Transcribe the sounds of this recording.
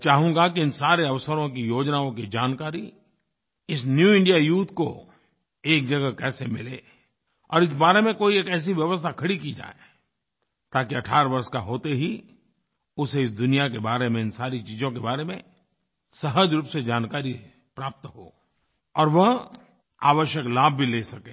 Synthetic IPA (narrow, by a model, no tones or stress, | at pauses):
t͡ʃaːɦũŋɡakiɪnsaːɾeɐʋsəɾõk̬ijoːd͡ʒnaõkid͡ʒaːnkaːɾi | ɪs̬njuːɪ̃ɳɖijajuːt̪ʰko̰ | eːk̚d͡ʒɐɡəkɛːsemɪleː | ɔ̰ːɾɪs̬baːɾemẽkoːieːkɛːs̬iʋjɐʋəst̪ʰakʰɐɽikid͡ʒa̰ːe | t̪aːkiɐʈʰaːɾbɐɾskaɦoːt̪eɦi | ʊseɪs̬d̪ʊnijakebaːɾemẽɪnsaːɾit͡ʃiːzõkebaːɾemẽ | sɐɦəd͡ʒɾuːpsed͡ʒaːnkaːɾi | pɾaːp̚t̪ɦo̰ː | ɔːɾʋɐɦ | a̰ːʋəʃjəklaːbʱbʱileːsɐkeː